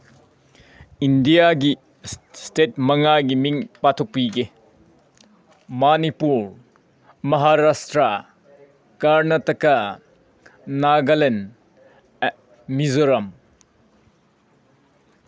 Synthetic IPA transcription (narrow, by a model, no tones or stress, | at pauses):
indijaɡi | stet̚mɐŋaɡimiŋpatʰok̚piɡe | manipuɾ | mɐɦaɾastɾɐ | kaɾnɐtɐkɐ | naɡɐlen | mizoɾɐm